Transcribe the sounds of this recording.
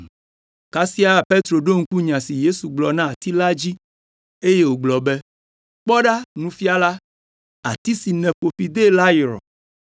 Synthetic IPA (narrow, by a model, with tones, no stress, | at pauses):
ka˦si˦a˦pe˦t̪ɾo˨ɖo˦ŋ̩˦ku˦ɲã˨si˨je˦su˨ɡ͡blɔ˨nã˦a˨t̪i˦la˦d͡ʑi˦ | e˦je˦wo˨ɡ͡blɔ˨bɛ˦ | k͡pɔ˦ɖa˦nũ˦fi˦a˦la˦ | a̰˨t̪i˦si˨nɛ̃˨ɸo˨fi˨d̪e˦la˦ji˨ɾɔ̰˨